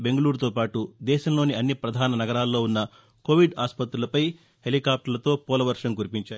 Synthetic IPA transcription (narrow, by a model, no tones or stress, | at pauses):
be̞ŋɡɐluːɾut̪o̞ːpaːʈud̪ɛːʃɐmloːniɐnːipɾɐd̪ʱaːnɐnɐɡɐɾaːlːo̞ːunːɐ | koːʋiɖaːspɐt̪ɾulɐpɐj | he̞likaːp̚ʈɐɾlɐt̪o̞ːpɔːlɐʋɐɾʂɐŋkuɾipiɲt͡ʃaː